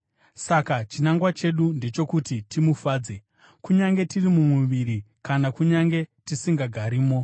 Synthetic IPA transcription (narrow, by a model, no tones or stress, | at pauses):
sakat͡ʃinaŋɡwat͡ʃe̞ɗunde̞t͡ʃo̞kutitimufaːd͡ze̞ | kuɲaŋɡe̞tirimumwuʋiɾi | kanakuɲaŋɡe̞tisiŋɡaɡʱaɾiːmo̞